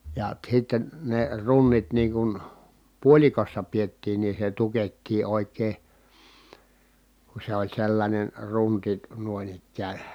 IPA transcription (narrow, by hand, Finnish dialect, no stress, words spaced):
jɑ sitːen ne runːit niːŋ kun puolʲikosːɑ pietːiːn niː se tuketːiː oˑi̯kˑeː ku se olʲ selːɑnʲen runti nuoĭn ikːæːn̞